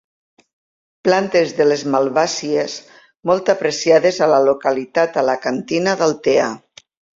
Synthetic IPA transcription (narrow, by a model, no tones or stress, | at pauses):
plant̪ezðelezmalˠβasies | mɔlˠt̪apɾesiaðezalalokalit̪at̪alakant̪inaðalˠt̪ea